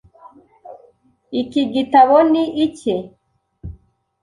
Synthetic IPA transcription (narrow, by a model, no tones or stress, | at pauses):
ikiɡitaβoniʔice